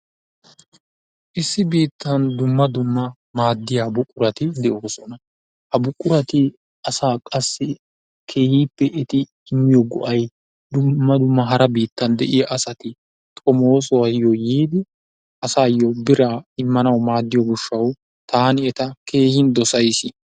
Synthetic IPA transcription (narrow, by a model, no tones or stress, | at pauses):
ʔɪsːɪbiːt̪ʰːɐnd̪ʊmːɐd̪ʊmːɐ | maːd̪ːɪjaːbʊkʼːʊɾɐt̪ɪd̪ɛʔoːsɔnɐ | hɐbʊkʼːʊɾɐt̪ɪ | ɐsaːkʼɐsːɪ | kʰe̞ːhiːpːɛʔɪt̪ɪː | mːɪjɔɡɔ̰ʔɐj | d̪ʊmːɐd̪ʊmːɐɦɐɾɐbiːt̪ːɐnd̪ɛʔɪjaʔːsɐt̪ɪ | t̪ʼɔmoːs̬ɔwɐjɔjiːd̪ɪ | ʔɐsaːjɔbɪɾaːɪmːɐnɐwmaːd̪ːɪjɔɡʊʃːɐw | t̪aːnɪɛt̪ɐkʰe̞ːhɪnd̪ɔsɐjsɪ